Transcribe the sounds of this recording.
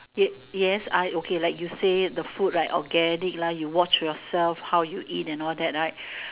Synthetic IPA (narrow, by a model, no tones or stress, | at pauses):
jɛ | jɛsaɪokʰelaɪkjusedəfut̚ɹaɪtɔ̰ɡɛnik̚lajuwɔt͡ʃjɔsɛlfhawjuʔitɛ̃nɔldɛt̚ɹaɪt̚